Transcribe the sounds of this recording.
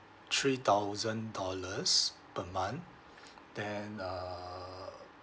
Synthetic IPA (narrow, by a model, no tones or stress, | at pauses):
t̪ʰɹit̪awzə̃ndɔləs | pəmãn | d̥ɛ̃na